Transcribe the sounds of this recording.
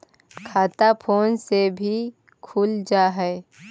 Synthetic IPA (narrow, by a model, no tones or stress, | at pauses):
kʰaːt̪apʰoːnsebʱi | kʰuːld͡ʒaːɦɛe